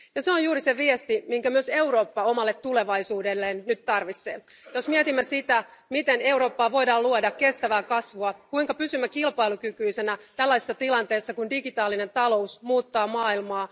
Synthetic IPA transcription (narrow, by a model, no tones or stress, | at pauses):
jɑseonjuːɾiseʋiest̪imiŋkæmyøse̞uɾo̞ːpːɑo̞mɑlːe̞t̪t̪ːule̞ʋɑisuːde̞lːeːnːyt̪t̪ɑrʋit̪sḛː | jo̞smiɛt̪imːæsit̪æmit̪ene̞wɾo̞ːpːɑːʋo̞jdɑːluodɑkke̞st̪æʋæːkɑsʋuɑkuiŋkɑpysymːækilpɑilukykyisenæt̪ælːæjse̥sːɑt̪ilɑnt̪e̞ːsːɑkundiɡit̪ɑːline̞nt̪ɑlo̞usmuːt̪ːɑːmɑːilmɑː